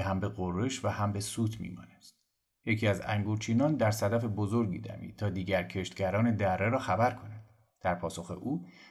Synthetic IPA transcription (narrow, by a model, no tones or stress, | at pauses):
ɦæmbe̞ɣoreʃvæhæmbe̞suːt̪ʰmḭːmɒ̰ːnæst̪ | je̞cʰiːæzæ̰ŋɡoɾt͡ʃʰiːnɒːnd̪æɾsæd̪æfe̞bozo̞ɾɡiːd̪æ̰mḭːt̪ʰɒːd̪iːɟæɾcʰe̞ʃt̪̚ɡæɾɒːne̞d̪ærːeɾɒːxæbæɾkʰo̞næd̪̥ | d̪̥æɾpʰɒːso̞xe̞̰ʔuː